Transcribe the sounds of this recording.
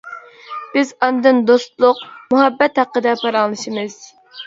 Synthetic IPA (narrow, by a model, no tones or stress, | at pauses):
b̥ɪzɑnd̪ɨnd̪ost̪lˠʊq̚muɦɛbːɛt̪hæqːəd̪ɛpʰɑɾɑŋlˠɨʃimɨz̥